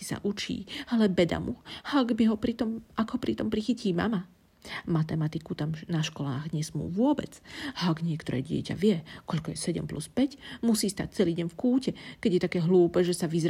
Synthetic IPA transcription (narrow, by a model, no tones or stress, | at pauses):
i̥sa̰ʔut͡ʃḭːalɛbɛd̪a̰mṵaɡbiɦɔpɾit̪ɔmaɡɦɔpɾit̪ɔmpɾixiciːma̰ma | mat̪ɛmat̪ikut̪amnaʃkɔlaːɣɲɛsmṵːʋʊɔbɛ̰t͡saaɡɲɪɛkt̪ɔɾɛ̰ːɟɪɛ̰ca̰ʋɪɛkɔʎkɔjɛsɛɟɛ̰mpluspɛcmusiːst̪a̰c̚t͡sɛliːɟɛɲfkuːcɛkɛɟjɛt̪akɛːɦluːpɛːʒɛsaʋizɾ